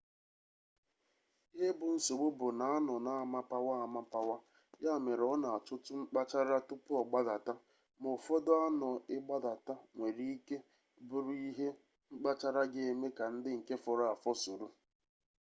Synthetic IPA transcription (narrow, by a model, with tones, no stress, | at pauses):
e˦bʊ˨n̩˦so˨ɡ͡bʊ˦bʊ˨na˨a˦nɔ˨na˨a˨ma˦pa˦wa˦a˨ma˦pa˦wa˦ | ja˦˨me˨ɾɔ˦na˨a˨t͡ʃʊ˦tʊ˦ŋ͡m̩˦k͡pa˦t͡ʃa˦ɾa˦tʊ˦pʊ˦ɔ˨ɡ͡ba˦da˨ta˦ | mo˨fɔ˦dɔ˦a˦nɔ˨ɪ˦ɡ͡ba˦da˨ta˦ŋʷe˨ɾi˦i˦ke˦ | bʊ˨ɾʊ˦i˦ɦe˦ | ŋ͡m̩˦k͡pa˦t͡ʃa˦ɾa˦ɡe˦˨e˦me˦ka˨n̩˦dɪ˦ŋ̩˨ke˦fɔ˨ɾa˦a˨fɔ˦su˨ɾu˦